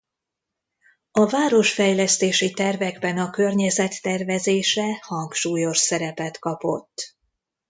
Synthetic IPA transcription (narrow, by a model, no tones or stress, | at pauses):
ɒvaːɾo̞ʃfɛjlɛst̪eːʃit̪ɛrvɛɡbɛnɒkø̞rɲɛzɛt̪ːɛrvɛzeːʃɛhɒŋkʃuːjo̞ʃsɛɾɛpɛt̪kɒpo̞̰t̪ː